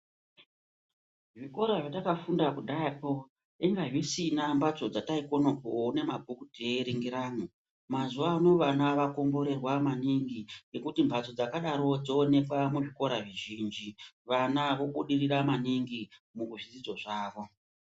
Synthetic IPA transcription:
ʐiko̞ɾaʐatakafundakudʱaapo | eŋɡaʐisinambat͡so̞d͡zataiko̞no̞kone̞mabʱukuteɾiŋɡiɾaːmu | mazuʋauno̞ʋanaʋako̞mbo̞ɾe̞rwamaniŋɡiŋe̞kutimbat͡so̞d͡zakaɗaɾo̞d͡zo̞ːne̞kwamuʐiko̞ɾaʐiʒiːnd͡ʒiʋanaʋo̞ɓuɗiriɾamaniŋɡimukuʐid͡zid͡zo̞ʐaːʋo̞

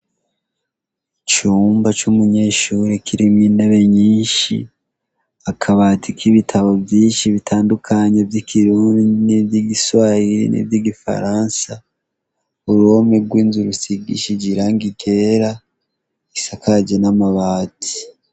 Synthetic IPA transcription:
t͡ʃuːmbat͡ʃumuɲe̞ːʃuɾekʰiɾimŋiːndeβe̞ɲiːnʃḭ | akʰaβaːtʰikʰiβitʰaβobjiːnʃiβitʰaːndukʰaɲe̞vjikʰiɾuːndidinibjiɡiswajiɾḭnḭbjiɡifa̰ɾansa | βuɾo̞meɡwiːnzuɾusiɡḭʃid͡ʒiɾaŋɡiɡe̞ɾa | isakaɟenamaβaːtʰi̥

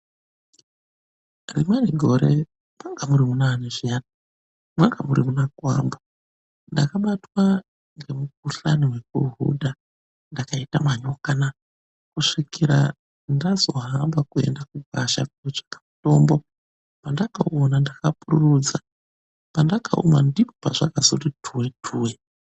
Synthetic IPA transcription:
rimaniɡʱo̞ɾe | mwaŋɡamuɾimunaaneʐiana | mwaŋɡamuɾḭmunakwa̰mba | ndakaɓatwa | ŋɡemuk̚uɬaniwe̞kuɦṵdʱa | ndakaitamaɲokana | kuʂikiɾa̰ | ndazo̞ɦambakue̞̰ndakuk̚aʃa̰koʐḁkḁmuto̞ːmbo̞ | pandakaonandakapururud͡za | pandakaṵmandipo̥paʐakazotitʰuwetʰuːwe

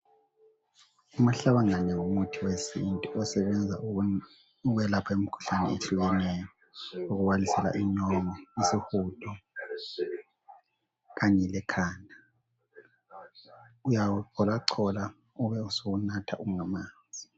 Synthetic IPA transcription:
um̩ɬaβaŋaɲɛwomutʰiwesintʼuɔsɛβɛnd͡zʱa̰ | uɣɛlapʰaem̩kʰu̥ɬanɛeɬuɣɛnɛjɔ | uɣuβalisɛla̰ʔiɲɔŋɔisixutʰɔ | ɣaɲɛlɛkʰaːna | ujawuǀɔlaǀʰɔla | uβɛusoɣunatʰa̰ʔuŋamaːnd͡zʱi

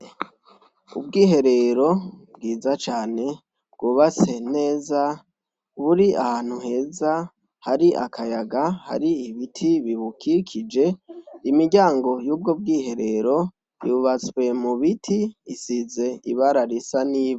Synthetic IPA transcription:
ṵbɡiːɦe̞ɾe̞ɾo̞b̚ɡiːzat͡ʃaːne̞ | b̥̚ɡuːβat͡se̞ne̞ːza | βuɾiʔa̰haːn̥huhe̞ːza | haɾiʔa̰kʰajaɡaha̰ɾiiβitʰiβiβukikʰid͡ʒe̞imiɟaːŋɡo̞juːb̚ɡob̚ɡiːɦe̞ɾe̞ɾo̞ | iuβat͡swe̞muβitʰiisize̞iβaɾaɾisaniːβo

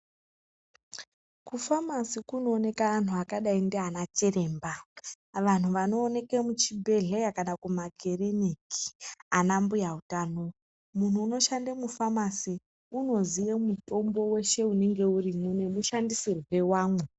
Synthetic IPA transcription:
kufamasikuno̞ːne̞kaːn̤uakaɗaindeɦanat͡ʃeɾe̞ːmba | ʋan̤uʋano̞ːne̞kemut͡ʃibʱe̞ɮejakanakumaɡʱeriniki̥anambujautaːno̞ | mun̤uːno̞ʃandamufamasi | uno̞zijemuto̞mbo̞we̞ʃe̞une̞ŋɡe̞urimune̞muʃandisirwe̞waːŋɡu

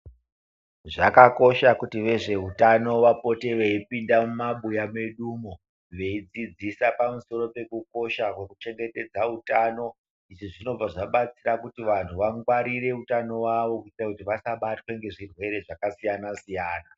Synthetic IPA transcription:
ʐakako̞ʃakutiʋe̞ʐe̞utano̞ʋapo̞te̞ʋeipindamumaɓujameɗumo | ʋe̞id͡zid͡zisapamuso̞ɾo̞pe̞kuko̞ʃakwe̞kut͡ʃe̞ŋɡe̞te̞d͡zautano̞ | iʐiʐino̞b͡vaʐaɓat͡sirakutiʋan̤uʋaŋɡwaɾire̞utano̞waʋo̞kuitirakutiʋasaɓatwe̞ŋɡe̞ʐirwe̞ɾe̞ʐakasijanasijaːna

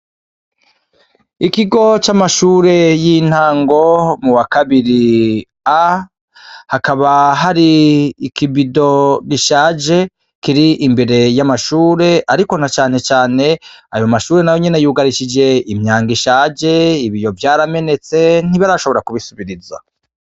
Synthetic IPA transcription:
ikiɡo̞t͡ʃamaʃuːɾe̞jin̥haːŋɡo̞muwakaβiɾi | a | hakaβaɦaɾiikibido̞ɡiʃaːd͡ʒe̞ | kiɾiʔimbe̞ɾe̞jamaʃuːɾe̞ʔaɾiko̞n̥at͡ʃaːne̞t͡ʃaːne̞a̰jomaʃuːɾe̞najo̞ɲene̞juːɡaɾiʃid͡ʒe̞imɲaːŋɡiʃaːd͡ʒe̞iβijo̞vjaːɾame̞ne̞t͡se̞n̥iβaɾaʃo̞βoɾakuβisuβiɾiza̰

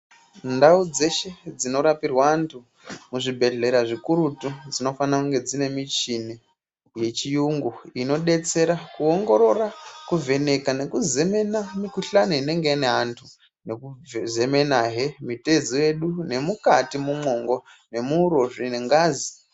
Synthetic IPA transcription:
ndaud͡ze̞ʃe̞d͡zino̞ɾapirwantʰu | muʐibʱe̞ɮe̞ɾaʐikuɾutud͡zino̞fanakuŋɡe̞d͡zine̞mit͡ʃini | je̞t͡ʃijuŋɡuino̞ɗe̞t͡se̞ɾakuoŋɡo̞ɾo̞rakuve̞ne̞kane̞kuze̞me̞namikuɬanuine̞ŋɡeineɦantʰu | ne̞kuze̞me̞naɦemite̞ziwe̞ɗune̞mukatimumo̞ŋɡo̞ | ne̞muɾo̞ʐineŋɡaːzi

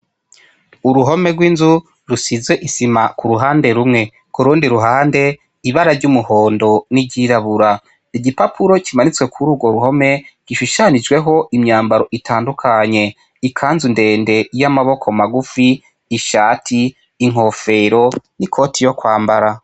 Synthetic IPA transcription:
uɾuɦo̞me̞ɡwiːnzu | ɾusizwe̞ʔisimakuɾuɦaːnde̞ɾumŋe̞ | kuɾuːndiɾuɦaːnde̞ | iβaɾaɾɟumuhoːndo̞niɟiɾaβuɾa | iɟipapʰuɾo̞cimanit͡swe̞kʰuɾuːɡo̞ɾuɦo̞me̞ɟ̥iʃuʃanid͡ʒɡwe̞ɦo̞ʔimɲaːmbaɾo̞ʔitʰaːndukʰaɲe̞ | ikʰaːnzunde̞ːnde̞jamaβo̞kʰo̞maɡufiː | ʃaːtʰiː | ŋ̥o̞fe̞ɾo̞nikʰo̞tijo̞kwaːmbaɾa

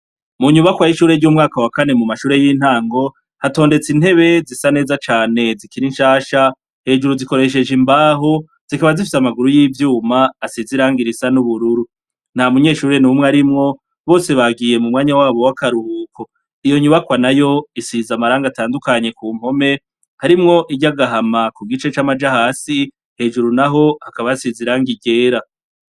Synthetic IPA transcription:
muɲuβakwajiʃuːɾeɾɟumŋaːkawakane̞mumaʃuːɾe̞jiːn̥haːŋɡo̞ | hato̞ːnde̞t͡sin̥he̞βe̞zisane̞ːzat͡ʃaːne̞zikiɾinʃaːʃa | he̞ːd͡ʒuɾuziko̞ɾe̞ʃ̬e̞d͡ʒimbaːɦo | z̥ikaβazifi̥samaɡuɾujiːvjuːmaːsiziɾaːŋɡiɾisanuβuɾuɾu | n̥hamuɲe̞ːʃuːɾenumŋweaɾimŋo̞ | βo̞ːse̞βaɡiːje̞mumŋaːɲawaːβo̞wakaɾuhuːkʰo̞ | ijo̞ɲuβakwanajo̞isizamaɾaːŋɡataːndukaɲe̞kuːm̥ho̞me̞ | haɾimŋo̞ʔiɟaɡaɦamakuɡit͡ʃe̞t͡ʃamad͡ʒahaːsi | he̞ːd͡ʒuɾunaɦo̞hakaβajasiziɾaːŋɡiɡe̞ːɾa

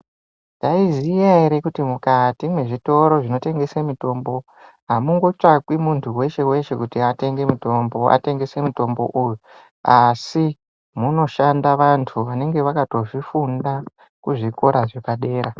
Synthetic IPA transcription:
ndaizijaɦeɾe̞kutimukatimwe̞ʐito̞ɾo̞ʐino̞te̞ŋɡe̞semuto̞mbo | ɦamuŋɡo̞t͡ʂakwimuntʰuwe̞ʃe̞we̞ʃe̞kutiate̞ŋɡe̞muto̞mbo̞a̰te̞ŋɡe̞se̞muto̞mbo̞̰ʔuju | asi | muno̞ʃandaʋantʰuʋane̞ŋɡe̞ʋakato̞ʐifunda | kuʐiko̞ɾaʐekaɗe̞ːɾa

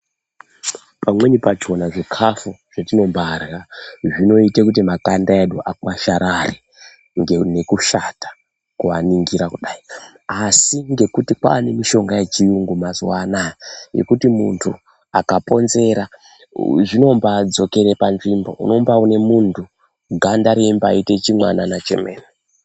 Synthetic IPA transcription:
pamwe̞ɲipat͡ʃo̞naʐekʰafuʐ̥atino̞mbarɣaʐino̞itekutimakandaeɗuʔakwaʃaɾari | ŋɡene̞kuʃatḁ | kuʋaniŋɡiɾakuɗai | asiŋɡe̞kutikwa̰ːne̞miʃo̞ŋɡajet͡ʃijuŋɡumazwanaje̞̰kutimṵntʰu | akapo̞nze̞ɾa | ʐino̞mbad͡zo̞ke̞ɾe̞panʐimbo̞̰ʔṵno̞mbaune̞muntʰu | ɡʱandaɾeimba̰ite̞t͡ʃimwananat͡ʃḛmeːne

